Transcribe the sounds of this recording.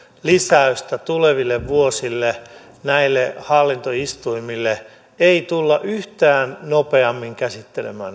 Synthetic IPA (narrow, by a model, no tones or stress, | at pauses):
lisæøst̪æt̪uleʋilːeʋʋuosilːe | næilːehɑlːint̪oist̪uimilːe | eit̪ulːɑʔyht̪æːnnopeɑmːiŋkæsit̪ːelḛmæ̰ːn